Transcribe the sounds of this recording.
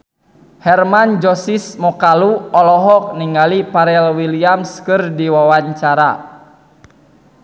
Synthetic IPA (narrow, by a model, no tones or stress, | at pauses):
hɛrmand͡ʒɔsismɔkaluɔlɔɦɔk̚niŋalipaɾɛlwiliamskɨrdiwawaɲt͡ʃaɾa